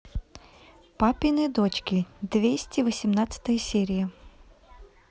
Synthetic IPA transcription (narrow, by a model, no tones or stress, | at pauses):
papʲɪnɨd̪ot͡ɕkʲɪd̪vʲesʲtʲɪvəsʲɪmnat̪sə̥t̪əjəsʲeɾʲɪjə